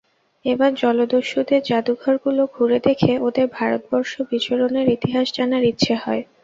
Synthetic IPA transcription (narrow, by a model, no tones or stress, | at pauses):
ebaɾd͡ʑɔlod̪oʃːud̪eɾd͡ʑad̪uɡʱɔɾɡuloɡʱuɾed̪ekʰeod̪eɾbʱaɾot̪̚bɔɾʃobit͡ɕoɾoneɾit̪iɦaʃd͡ʑanaɾitːɕʰʃʰeɦɔe